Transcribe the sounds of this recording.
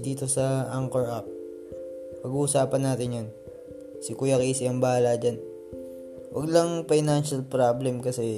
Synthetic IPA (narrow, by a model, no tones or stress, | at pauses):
d̪iːt̪o̞sɐʔaŋkɛɹʔap̚ː | ɐɡuhʊsaːpɐnːaːt̪ɪnjon | sɪkʊjɐkisɪɐŋbɐaaːlad͡ʒan | wʔɐ̰ɡlɐŋfajnanʃɐlpɾablɛmkɐsɛ